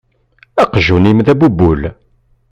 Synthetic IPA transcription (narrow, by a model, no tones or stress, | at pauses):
æqʒunimðæbubːul